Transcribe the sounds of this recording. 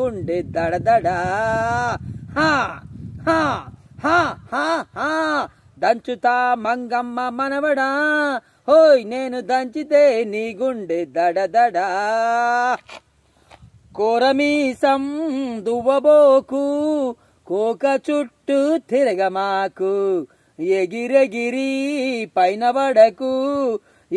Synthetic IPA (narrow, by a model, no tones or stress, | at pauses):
uɳɖed̪ɐɽɐd̪ɐɖa | hãːhãːhãːhaːhãː | d̪ɐɲt͡ʃut̪aːmɐŋɡɐmːɐmɐnɐʋɐɽa | ɦoːjneːnud̪ɐɲt͡ʃit̪eːniːɡuɳɖed̪ɐɽɐd̪ɐɖa | kɔːɾɐmiːsɐmd̪uʋːɐboːku | koɔːkɐt͡ʃuʈːut̪ʰiɾɐɡɐmaːku | jeɡiɾeɡiɾipɐjnɐʋɐɽɐku